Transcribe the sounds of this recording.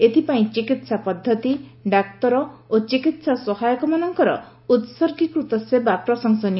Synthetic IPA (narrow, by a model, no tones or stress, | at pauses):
et̪ʰipaĩt͡ʃikit̪sapɔd̪ʱːɔt̪iɖak̚t̪ɔɾɔot͡ʃikit̪sasɔɦajɔkɔmanɔŋkɔɾɔ̰ | ut̪sɔɾkikɾut̪ɔsebapɾɔsɔŋsɔni